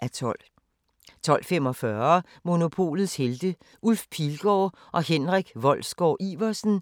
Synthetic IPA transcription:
ʔæt͡sʰɔl̰ | t͡sʰɒ̽l̰femɒ̽fɶɐ | mo̝no̝pʰo̝̰ːlð̩ˠsheld̥ə | ʔulfpʰilɡ̥ɒː | ʔɒ̽henʁaɡ̥ʋɒ̽l̰sɡ̥ɒ̰ʔiʋɐsn̩

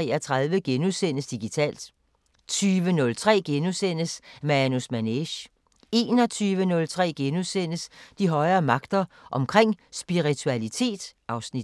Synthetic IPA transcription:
ɛːɐt͡sʰʁaðˠʋəɡ̥enusen̰əsd̥iɡ̥it͡sʰɛ̰ːld̥ | t͡sʰyːʋənɔ̽lt͡sʰʁɛ̰ːɡ̥enusen̰əsmænusmæneɕ | e̝ːnɒ̽t͡sʰyːʋənɔ̽lt͡sʰʁɛ̰ːɡ̥enusen̰əsd̥iɦɒ̽ɪɐːmɑ̈ɡ̥d̥ɐ | ʔɒ̽mkʰʁeŋ̰sb̥iʁit͡sʰuælit͡sʰe̝̰ːd̥ɑ̈ʊsnid

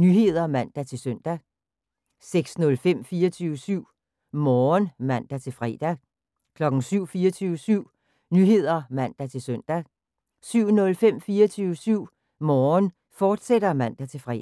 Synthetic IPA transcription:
nyɦe̝ð̞̰ˠɐmæn̰d̥æt͡sʰe̝lsœn̰d̥æ | seɡ̥snɔ̽lfem̰fiːɐt͡sʰyːʊəsyʊ̰ | mɒːnmæn̰d̥æt͡sʰe̝lfʁɛ̰ːd̥æ | kʰlɒ̽ɡ̥n̩syʊ̰fiːɐt͡sʰyːʊəsyʊ̰ | nyɦe̝ð̞̰ˠɐmæn̰d̥æt͡sʰe̝lsøn̰d̥æ | syʊ̰nɔ̽lfem̰fiːɐt͡sʰyːʊəsyʊ̰ | mɒːn | fɒːd̥sed̥ɐmæn̰d̥æt͡sʰe̝fʁɛ̰

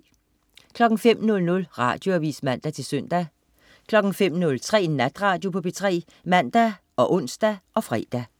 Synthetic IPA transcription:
kʰlɒ̽ɡ̥ŋ̩fem̰nɔ̽lnɔ̽lʁɑ̈ːd̥jo̝æʋḭːsmæn̰d̥æt͡sʰe̝lsœn̰d̥æ | kʰlɒ̽ɡ̥ŋ̩fem̰nɔ̽lt͡sʰʁɛ̰ːnæd̥ʁɑ̈ːd̥jo̝pʰɒ̽bʰet͡sʰʁɛ̰ː | mæn̰d̥æ | ʔɒ̽ʔɔ̽n̰sd̥æʔɒ̽fʁɛ̰ːd̥æ

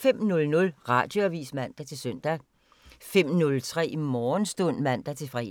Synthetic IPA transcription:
fem̰nɔ̽lnɔ̽lʁɑ̈ːd̥jo̝æʋḭːsmæn̰d̥æt͡sʰe̝lsøn̰d̥æ | fem̰nɔ̽lt͡sʰʁɛ̰ːmɒːnsd̥ɔn̰mæn̰d̥æt͡sʰe̝fʁɛ̰

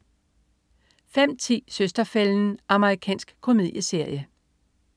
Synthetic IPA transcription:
fem̰t͡sʰḭːsøsd̥ɐfeln̩ʔɑ̈məʁikʰɛ̰ːnsɡ̥kʰo̝mið̰ˠjəse̝ɐ̰jə

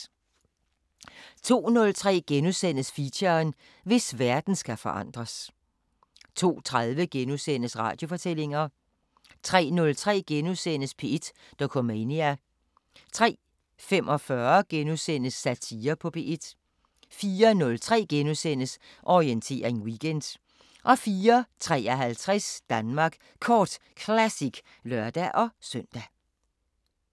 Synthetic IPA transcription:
t͡sʰo̝̰ːnɔ̽lt͡sʰʁɛ̰ːɡ̥enusen̰əsfiɕɐn | ʋe̝sʋæɐd̥n̩sɡ̥æfɒ̽ʔɑ̈n̰d̥ʁɐs | t͡sʰo̝̰ːt͡sʰʁaðˠʋəɡ̥enusen̰əsʁɑ̈ːd̥jo̝fɒ̽t͡sʰel̰e̝ŋɐ | t͡sʰʁɛ̰ːnɔ̽lt͡sʰʁɛ̰ːɡ̥enusenəspʰe̝ed̥ | d̥ɒkʰɒ̽meniæ | t͡sʰʁɛ̰ː | femʔɒ̽fɶːɐɡ̥enusenəsːæt͡sʰiːɐpʰɔ̽pʰe̝ʔed̥ | fiːɐnɔ̽lt͡sʰʁɛ̰ːɡ̥enosenəs | ʔɒʁient͡sʰe̝̰ːɐʁeŋwiɡ̥end̥ | ʔɒ̽fiːɐt͡sʰʁɛ̰ːɐɦælt͡sʰʁɛsd̥ænmɑ̈ːɡ̥ | kʰɒːd̥ | kʰlæsiɡ̥ | lɶɐ̰d̥æʔɒ̽sœn̰d̥æ

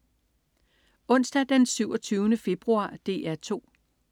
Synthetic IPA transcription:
ɔ̽n̰sd̥æd̥ensyʊɒt͡sʰyːʊnəfe̝b̥ʁuɑ̰̈ːd̥e̝̰ːæɐt͡sʰo̝̰ː

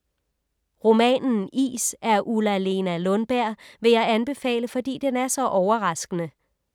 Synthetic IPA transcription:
ʁo̝mɛ̰ːnn̩ḭːsæɐʔulæle̝nælɔ̽nb̥æɐ̰ʋe̝jɑ̈ɪænb̥e̝fɛ̰ːləfɒ̽d̥ḭːd̥enæɐsɒ̽ʔɒʊɐʁɑ̈sɡ̥ənə

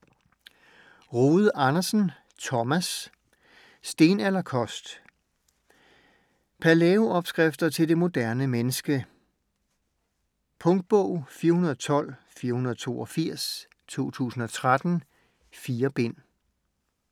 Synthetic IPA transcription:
ʁoːð̩ˠɑ̈nɐsn̩ | t͡sʰɒmæs | d̥e̝ːnælɐkʰɒ̽sd̥ | pʰæleːoɒ̽b̥sɡ̥ʁafd̥ɐt͡sʰe̝ld̥e̝mo̝d̥æɐnəmenəsɡ̥ə | pʰɔ̽ŋd̥̚b̥ɔ̽ʊ̰fiːɐhunɐðˠɒt͡sʰɒ̽l̰ | fiːɐhunɐðˠt͡sʰo̝̰ːɒ̽fiɐ̰s | t͡sʰo̝̰ːt͡sʰṵːsn̩ɒ̽t͡sʰʁad̥n̩ | fiːɐb̥e̝n̰

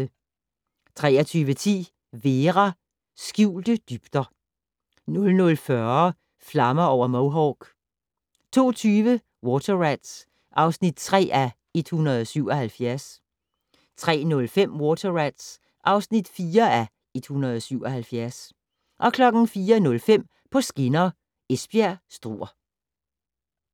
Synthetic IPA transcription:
t͡sʰʁɛ̰ːɐt͡sʰyːʋət͡sʰḭː | ʋe̝ːʁɑ | sɡ̥jiːld̥əd̥yb̥d̥ɐ | nɔ̽lnɔ̽lfɶɐ | flɑ̈mɐɒʊ̰ɐmoʊɦɒɡ̥ | t͡sʰo̝̰ːt͡sʰyːʋə | wɔt͡sʰɐʁæd̥s | ʔɑ̈ʊsnid̥̚t͡sʰʁɛ̰ːʔæ | e̝d̥hunɐðˠɒsyʊ̰ɒhælfjæɐs | t͡sʰʁɛ̰ːnɔ̽lfem̰wɔt͡sʰɐʁæd̥s | ʔɑ̈ʊsnid̥fiːɐæ | e̝d̥hunɐð̞ˠɒ̽syʊɒ̽hælfjæɐs | ʔɒ̽kʰlɒ̽ɡ̥n̩fiːɐnɔ̽lfem̰ | pʰɒ̽sɡ̥e̝nɐ | esb̥iæɐsd̥ʁṵːɐ

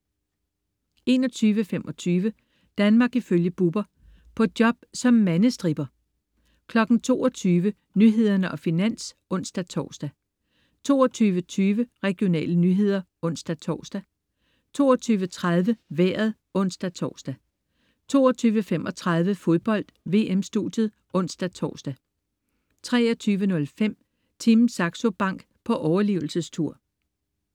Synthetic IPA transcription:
e̝nɒ̽t͡sʰyːʋəfem̰ʔɒ̽t͡sʰyːʋə | d̥ænmɑ̈ːɡ̥iføljəb̥ub̥ɐ | pʰɒ̽d̥jɒ̽b̥sɒ̽mːænəsd̥ʁib̥ɐ | kʰlɒ̽ɡ̥n̩t͡sʰo̝̰ːɒt͡sʰyːʋə | nyɦe̝ð̞ˠɐnəʔɒ̽finæn̰s | ɔ̽n̰sd̥æt͡sʰɒ̰ːsd̥æ | t͡sʰo̝̰ːɐt͡sʰyːʋət͡sʰyːʋəʁɛɡ̥jo̝nɛ̰ːlənyɦe̝ð̰ˠɐ | ɔ̽n̰sd̥æt͡sʰɒ̰ːsd̥æ | t͡sʰo̝ːɒt͡sʰyːʋət͡sʰʁað̞ˠʋəʋeːɐð̞̩ˠ | ɔ̽n̰sd̥æt͡sʰɒːsd̥æ | t͡sʰo̝̰ːɒt͡sʰyːʋəfemɒ̽t͡sʰʁɑ̈ð̞ˠʋəfo̝ð̞ˠb̥ɒ̽l̰d̥ʋe̝̰ːemsd̥ud̥jð̩ˠ | ɔ̽n̰sd̥æt͡sʰɒ̰ːsd̥æ | t͡sʰʁɛɒt͡sʰyːʋənɔ̽lfem̰ | t͡sʰimsɑ̈ɡ̥so̝b̥ɑ̈ŋ̰ɡ̥pʰɒ̽ʔɒʊɐliːʊl̩səst͡sʰuɐ̰

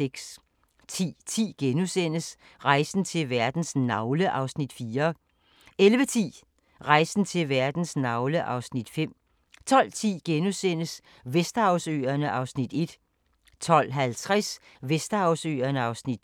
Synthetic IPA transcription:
eɡ̥s | t͡sʰḭːt͡sʰḭːɡ̥enusen̰əs | ʁɑ̈ɪsn̩t͡sʰe̝lʋæɐd̥n̩snɑ̈ʊləʔɑ̈ʊsnid̥fiːɐ | elʋət͡sʰḭː | ʁɑ̈ɪsn̩t͡sʰe̝lʋæɐd̥n̩snɑ̈ʊləʔɑ̈ʊsnid̥fem̰ | t͡sʰɒ̽l̰t͡sʰḭːɡ̥enusen̰əs | ʋesd̥ɐɑ̈ʊsø̰ːɐnəʔɑ̈ʊsnid̥e̝d̥ | t͡sʰɒ̽l̰ɦælt͡sʰʁɛs | ʋesd̥ɐɑ̈ʊsø̰ːɐnəɑ̈ʊsnid̥

